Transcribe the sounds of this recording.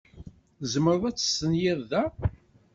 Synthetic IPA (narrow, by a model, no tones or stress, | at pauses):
zəməɾˤəðˤæt͡sːə̥sənjɪðˤðæ